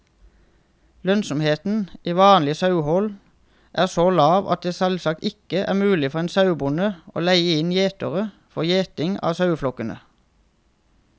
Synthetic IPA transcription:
lœnsɔmheːt̪n̩iːʋɑːnlɪsɑʉhɔl | ʔæːʁsoːlɑːʋʔɑ̰t̪̚d̪eːsɛlsɑk̚t̪ɪkəʔæ̰ːʁmʉːlɪfɔʁeːnsɑʉbʊnəʔo̰ːlæɪəɪnjeːt̪əʁə | fɔjeːt̪ɪŋɑ̰ːsɑʉflɔkənə̰

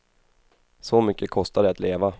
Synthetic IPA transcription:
sɔmʏkːəkʰɔst̪ad̪ɛat̪leːva

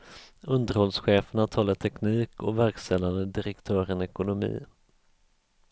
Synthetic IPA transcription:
ɵnd̪əɾhɔlsɧeːfəɳat̪ʰɑːlːaʈ̪ʰɛkniːkɔ̰væɾkst̪ɛlːand̪əd̪ɪɾɛkt̪ʰœːɾənɛkʊnʊmḭː

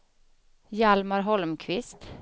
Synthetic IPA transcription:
jɑlmɑɾɦɔlmkʰʋɪst̪

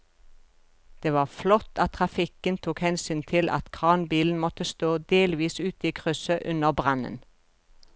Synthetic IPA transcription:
d̪̥eːʋɑːʁflɔt̪ʰɑt̪t̪ʰʁɑfɪkənt̪ʰuːkhɛnsyːnt̪ʰɪlʔɑ̰t̪kʰʁɑːnbiːln̩mɔt̪əst̪oːd̪eːlʋiːsʉːt̪iːkʰʁʉsəʔʉnəʁbʁɑnə̰n

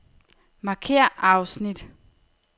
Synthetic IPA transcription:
mɑ̈kʰe̝ːɐ̰ʔɑ̈ʊsnid̥

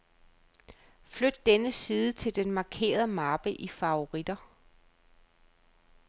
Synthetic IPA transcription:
flød̥̚ːenəsiːðˠət͡sʰe̝ld̥enmɑ̈kʰe̝̰ːɐð̞ˠəmɑ̈b̥əʔifɑ̈o̝ʁid̥ɐ

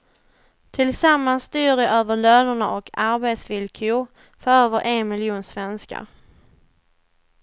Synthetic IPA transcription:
t̪ʰɪlsamːanst̪yːɖɛʔøːvəɭøːnəɳaʔɔkʰaɾbeːt̪svɪlkʰʏ | fœɾøːvəɾʔenmɪljuːnsvɛnska̰ɾ

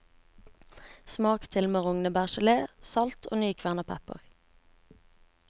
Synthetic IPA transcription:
smɑːkt̪ʰɪlmeːʁʊŋnəbæʁʃəleːsɑlt̪ʰo̰ːnyːkʰʋæʁnɑpʰɛpə̰ʁ

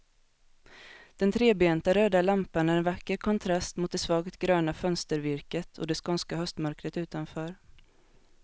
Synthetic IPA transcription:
d̪̥ɛnt̪ʰɾeːbɛɛːnt̪aɾøːd̪alampanæɾɛnvakːəɾkʰɔnt̪ʰɾast̪mʊt̪̚d̪ɛsvɑːɡt̪ɡɾøːnafœnst̪əɾvɪɾkət̪ʰɔ̰d̪ɛskɔnskaɦœst̪mœɾkɾət̪ʉ̟ːt̪anfœːɾ

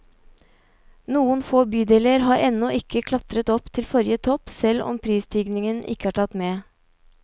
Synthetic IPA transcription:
nuːənfoːbyːd̪eːləɾɦɑːɾʔɛnːɔʔɪkəkʰlɑt̪ɾət̪ɔpt̪ʰɪlfɔɾjət̪ʰɔpsɛlɔ̰mpʰɾiːst̪ʰiːɡnɪŋənʔɪ̰kːəæːʈʰɑt̪meː

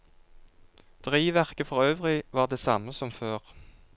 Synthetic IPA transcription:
d̪̥ʁiːʋæʁkəfɔʁøːʋʁɪʋɑːʁd̪eːsɑməsɔmføːʁ

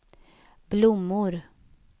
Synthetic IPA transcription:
b̥lʊmːʊɾ

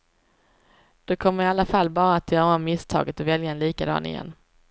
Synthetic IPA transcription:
d̪̥okʰɔmːəɾɪalːafalːbɑːɾaːt̪jœːɾamɪst̪ʰɑ̰ːɡət̪ɔvɛljaɛnliːkad̪ɑ̰ːnɪ̰jɛ̰nː

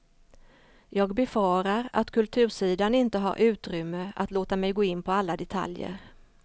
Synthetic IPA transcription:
jɑːɡbɛfɑːɾaɾa̰t̪kʰɵlt̪ʰʉ̟ːʂiːd̪anɪnt̪əɦa̰ɾʔʉ̟ːt̪ɾʏmːəa̰t̪loːt̪amɛjɡoːɪnːpʰɔalːad̪ɛt̪ʰa̰ljə̰ɾ

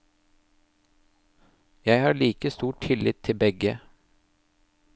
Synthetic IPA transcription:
jæɪhɑːɭiːkəst̪uːʈʰɪlɪt̪ʰɪlbɛɡə

